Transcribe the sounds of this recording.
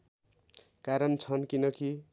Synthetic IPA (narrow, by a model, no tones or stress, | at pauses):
kaɾʌnt͡sʰʌnkinʌki